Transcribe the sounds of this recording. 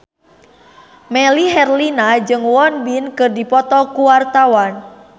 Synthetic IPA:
mɛliɦɛrlinad͡ʒɨŋwɔnbinkɨrdipɔt̪ɔkuwart̪awan

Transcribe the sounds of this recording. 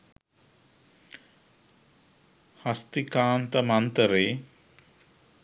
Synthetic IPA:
hɐst̪ikaːnt̪əmɐnt̪əɾeː

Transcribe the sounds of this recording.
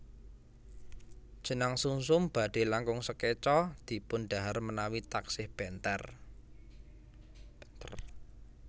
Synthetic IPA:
d̥ʒ̥ə̤naŋsuŋsʊmb̥ä̤ɖ̪̥e̤laŋkʊŋsəket͡ʃɔd̪̥i̤pʊnɖ̥a̤ɦarmənawit̪aksɪhb̥ɛnt̪ɛr

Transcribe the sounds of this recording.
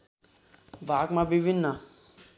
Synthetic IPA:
ʋakmãbiʋinːə

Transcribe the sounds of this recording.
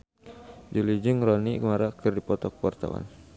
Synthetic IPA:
d͡ʒulid͡ʒɨŋɾɔnikmaɾakɨrdipɔt̪ɔk̚wart̪a̰wa̰n

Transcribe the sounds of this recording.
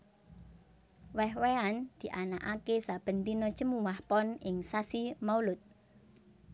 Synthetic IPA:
wɛhweand̪̥i̤ʔanaʔakesab̥ə̤nt̪inɔd̥ʒ̥əmuwahpɔnɪŋsasimaulʊt̪̚

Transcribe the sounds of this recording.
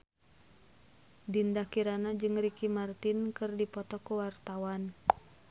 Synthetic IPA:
dindakiɾanad͡ʒɨŋrikimart̪inkɨrdipɔt̪ɔkuwart̪awan

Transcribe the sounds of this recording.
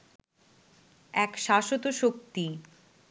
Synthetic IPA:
ɛkʃaʃot̪oʃok̚t̪i

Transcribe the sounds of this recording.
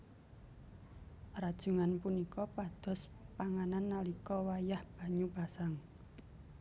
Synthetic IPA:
rad̥ʒ̥ṳŋanpunikɔpad̪̥ɔ̤s | paŋananːalikɔwajahb̥a̤ɲub̥a̤saŋ

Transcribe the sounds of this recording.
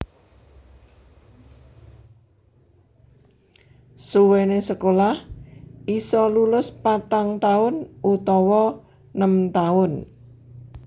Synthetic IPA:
suwenesəkolahisɔlulʊspat̪aŋt̪aʊnʔut̪ɔwɔ | nəmt̪aʊn

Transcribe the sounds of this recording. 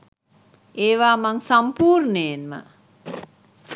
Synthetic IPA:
ʔeːʋaːmaŋsampuːɾnəjenmə̰

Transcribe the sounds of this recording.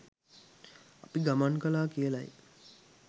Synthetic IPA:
apiɡamaŋkəlaːkijəla̰j

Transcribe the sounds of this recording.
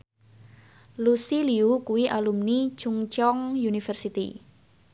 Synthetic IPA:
lusiliukuiʔalumni̥t͡ʃuŋt͡ʃɔŋjunifɛrsit̪ḭ

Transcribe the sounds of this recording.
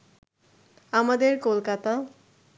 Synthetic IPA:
amad̪eɾkolkat̪a

